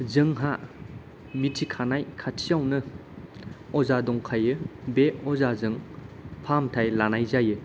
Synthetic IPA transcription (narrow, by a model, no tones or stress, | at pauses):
zɯŋɦa | mitʰikʰanajkʰatʰijawnɯ | ɔzadɔŋkʰajɯbeɔzazɯŋpʰamtʰajlanajzajɯ